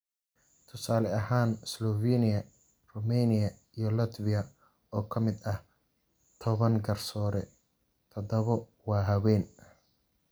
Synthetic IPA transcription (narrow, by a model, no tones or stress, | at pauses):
t̪ʰʊsaːlɛɐhaːnslɔviːnɪjɐ | rʊmɛːnɪjɐ | ijɔlɐt̪vɪjɐ | ɔːkʰɐmɪd̪ɐh | t̪ʰɔβɐŋɡɐrsɔːɾɛ | t̪ʰɐd̪ɐβɔwɑːɦɐwɛːn